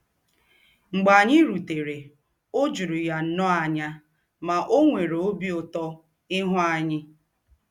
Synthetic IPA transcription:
ŋ͡m̩˨ɡ͡ba˨ɲɪ˦ɾu˨te˨ɾe˨ | o˦d͡ʒu˨ɾu˨ja˨n̩˦nɔ˦a˨ɲa˦ | ma˨ʔo˦ŋʷe˨ɾe˨o˦bi˦o˨tɔ˦ | ɪ˦ɦʊ˦a˨ɲɪ˦

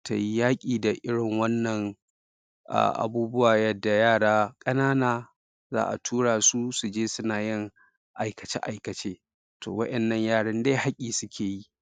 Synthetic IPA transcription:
ta̰˨ji˦jaː˦kʲʼiː˨da˨ʔɪ˦ɽɪ˨ŋwɐ˦nːɐ˨ŋ | ʔa̰ː˨ʔa̰˨buː˦bʊ˦waː˨jɐ˦dːa˨jaː˦˨ɽaː˦kʼɐ˦naː˦naː˨ | za̰ː˦ʔa̰˨tʰuː˦ɽaː˨su˦su˨d͡ʒeː˦sʊ˦naː˨jɪ˦ŋ | ʔa˨jkɐ˨t͡ʃḛ˦ʔa˨jkɐ˨t͡ʃeː˦ | tʰo̰ː˨wɐ˦ʔɛ˨nːɐ˨ɲjaː˦˨ɽɐ˦nda˦ha˦kʲʼiː˨sʊ˦kʲʰeː˨ji˦

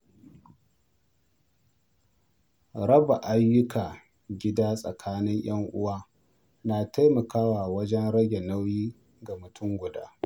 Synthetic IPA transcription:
ɾɐ˦ba˨ʔa˦jːʊ˦kʰaː˨ | ɡʲɪ˦daː˦sʼɐ̰˨kʰaː˦nɪ˦ɲj̰ɐ˦ŋʔʊ̰˦waː˦ | naː˨ta˦jmɐ˨kaː˦waː˨wɐ˦d͡ʒɛ˦nɽɐ˦ɡʲe˨na˦wjiː˦ | ɡa˨mʊ˨tʰʊ˦ŋɡʷʊ˨daː˦

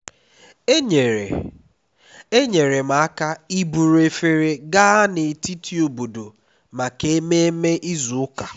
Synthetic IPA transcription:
e˦ɲe˨ɾḛ˨ | e˦ɲe˨ɾe˨ma˨a˦ka˦i˦bu˨ɾe˨fe˨ɾe˨ɡa˦a˦ne˨ti˦tʰi˦o˨bu˨do˨ | ma˨ke˦me˦e˦me˦ʔi˦zu˨ʊ˦ka˨

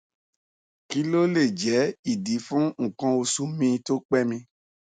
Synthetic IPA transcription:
ki˦lo˦le˦˨d͡ʒɛ˨˦i˦˨di˨˦fũ˦ŋ̩˨kã˧o˧su˧˦mĩ˧to˦k͡pɛ˦mĩ˧

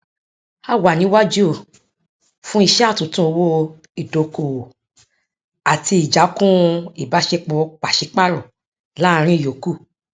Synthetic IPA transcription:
a˧wa˨nĩ˨˦wa˦d͡ʒu˦o˦˨ | fũ˦i˦˧ʃɛ˦a˦˨tũ˨˦tũ˦o˧wo˧ | i˨do˨ko˨ | a˨ti˧i˨d͡ʒa˨˦kũ˦i˦˨ba˨˦ʃe˧k͡pɔ˧˦k͡pa˨ʃe˧˦k͡pa˦ɾɔ˨ | la˦˧ɾ̃ĩ˦i˦˨jo˨ku˦˨

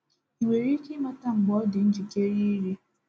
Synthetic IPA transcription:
i˨ŋʷe˨ɾi˦ki˦ma˦ta˦ŋ͡m̩˨ɡ͡bɔ˨˦dɪ˨n̩˦d͡ʒi˨ke˦ɾi˦ɾi˦

